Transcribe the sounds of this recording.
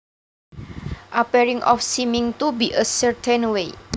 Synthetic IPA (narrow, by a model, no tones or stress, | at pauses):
ʔapɛɾɪŋʔɔ̰fsimɪŋt̪ubiʔəsərt̪ʰenwe